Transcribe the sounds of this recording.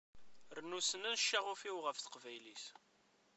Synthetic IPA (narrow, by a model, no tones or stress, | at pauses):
ɾnusənænʃːæʁʊfiwʁəfθə̥qvæjlis